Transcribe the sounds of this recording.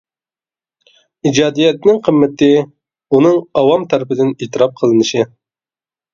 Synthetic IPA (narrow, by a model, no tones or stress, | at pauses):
id͡ʒɑːd̪ijɛt̪nɪŋqʰəmːɪt̪ʰɪ | unɨŋɑwɑmt̪ʰæɾɪpɪd̪ɪnet̪ɨɾɑp̚qʰəlˠɨnɨʃɪ